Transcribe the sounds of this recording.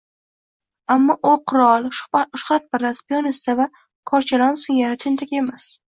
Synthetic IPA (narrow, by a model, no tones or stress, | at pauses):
amːɒʔoqʰʊɾɒlˠʊʃχat̪̚bɪɾaspijɒnɪst̪ava | kʰɒɾt͡ʃʰalɒnsɪŋʲaɾat̪ʰɪnt̪ʰakʲe̞mas